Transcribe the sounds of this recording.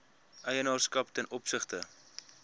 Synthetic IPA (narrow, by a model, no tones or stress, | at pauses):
ʔəjənɑːrskɐptɛnʔɔpsəχtə